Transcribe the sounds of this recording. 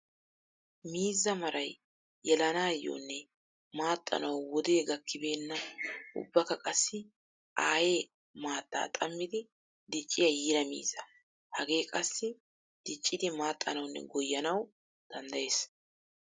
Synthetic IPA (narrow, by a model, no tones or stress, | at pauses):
miːzːɐmɐɾɐj | jɛlɐnaːjːo̰ːnːɛ | maːt̪ʼːɐ̰nɐwwɔd̪e̞ːɡɐkːɪbe̞ːnːɐʔʊ̰bːɐkɐkʼɐsːɪ | ʔaːje̞ː | maːt̪ʼːa̰ːt̪ʼɐmːɪd̪ɪ | d̪ɪt͡ʃʼːɪjɐjiːɾɐmḭːzːɐ | hɐɡe̞ːkʼɐsːɪ | d̪̥ɪt͡ʃʼːɪd̪ɪmaːt̪ʼːɐnɐwnːɛ̰ɡɔjːɐnɐw | d̪̥ɐnd̪ɐje̞ːs